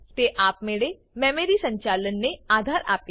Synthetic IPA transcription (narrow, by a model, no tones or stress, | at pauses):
t̪eʔaːpmeːɽe | mɛ̃ːmeːɾisə̃ɲt͡ʃaːlənːeaːd̪ʱaːɾa̰ːp̚k